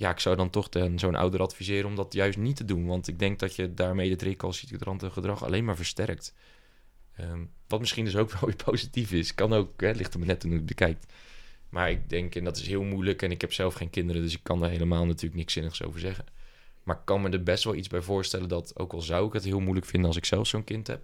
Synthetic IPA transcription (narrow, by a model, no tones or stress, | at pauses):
jaːɪksawdɑntɔχdənzownʔa̰wdərʔɑtfizɪːɾənɔmdɑtjœɥstnitədunʋɑntɪɡ̚dɛŋk̚dɑtədaːɹmejətrɪkɑlˠsitədrɑntəχədrɑχɑ̰lejnmaːɹvəɹstɛɹk̚t | əʋɑtmɪsχindɵs̬owkʋɛlˠʋɪːɹpʰowzitifɪskːɑnowkɦɛlɪχtəmənɛtːunubəkɛjk̚tmaːɹɪk̚dɛŋkɛndɑtɪsɦɪːlˠmujləkɛnɪkɦɛpsɛlˠfχejnkɪndəɾəndɵsɪkːɑndaːɹɦejləmaːlˠnatyːɹləknɪksɪnəχso̰wvəɹzɛχən | maːɹɪkːɑnmədəɹbɛstʋɛlˠidzbɛjvʊːɹstɛləndɑto̰wkɑlˠzɑwɪkɦətɦɪːlˠmujləkfɪndənɑlˠsɪksɛlˠfsownkɪntɦɛ̰p̚